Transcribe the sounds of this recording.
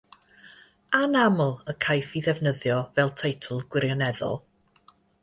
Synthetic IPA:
anamʊlˠəkʰajfiðɛvnəðjɔvɛlˠtʰejtʰʊlˠɡwɪɾjɔnɛðɔ̰lˠ

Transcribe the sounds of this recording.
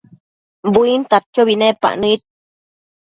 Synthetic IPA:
buint̪at̪̚kjoβinepa̰ʔnɨit̪̚

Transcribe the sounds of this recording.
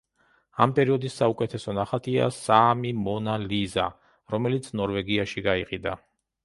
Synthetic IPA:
a̰mpʼɛɾiɔd̪isːaukʼɛt̪ʰɛsɔnaχat̪ʰʼia̰samimɔnaliza | ɾɔmɛlit̪sʰnɔɾvɛɡiaʃiɡaiqʼid̪a

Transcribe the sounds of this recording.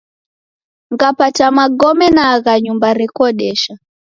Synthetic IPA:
ŋɡapatamaɡɔmɛnaɣaɲumbaɾɛkɔɗɛʃa

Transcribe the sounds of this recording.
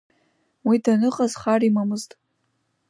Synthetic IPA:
widanɨqʼazχarimamɨztʼ

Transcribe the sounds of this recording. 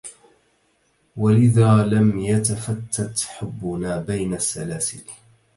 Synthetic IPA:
walʔɪðaːlamjat̪afat̪ʰːat̪ħʊbːʊnaːbajnasːa̰laːsɪl

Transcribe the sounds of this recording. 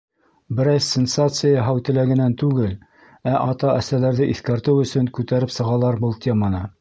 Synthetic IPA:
bɘ̆ɾæsːʲensat̪sɨjaɦæwt̪ɘ̆læɡɘ̆nænt̪ʉɡɘl | æʔɑt̪ɑʔæsælæɾðɘʔiθkæɾt̪ɘwɵ̆sɵŋkʉt̪æɾɘpsɤ̆ʁɑlˠɑɾbɤlˠt̪ʲemɑnɤ

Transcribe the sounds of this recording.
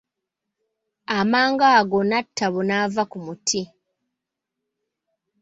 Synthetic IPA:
amaːŋɡaːɡo̞natʰːaβonavakumutʰi

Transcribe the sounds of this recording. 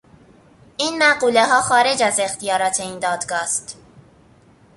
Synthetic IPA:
ʔiːnmæɢuːleɦɒːxɒːɾe̞d͡ʒæze̞xt̪ijɒːɾɒːt̪ʰe̞iːnd̪ɒːd̪ɡɒːst̪

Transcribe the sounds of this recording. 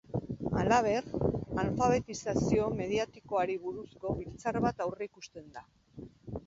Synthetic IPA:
alaβ̞e̞ralfaβ̞e̞t̪isasio̞me̞ð̞iat̪iko̞aɾiβuɾusko̞βilt͡saɾβat̪awreikust̪e̞nd̪a

